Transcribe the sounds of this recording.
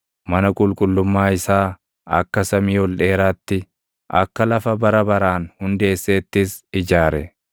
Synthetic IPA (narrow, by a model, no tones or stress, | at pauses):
mɐnɐkʼʊlkʼʊlːʊmːaːɪsaː | ɐ̰kːɐsɐmiːhɔlᶑeːɾaːt̪ːɪ | ʔɐ̰kːɐlɐfɐbɐɾɐbɐɾaːnhʊnd̪e̞ːsːeːt̪ːɪsɪd͡ʒaːɾɛ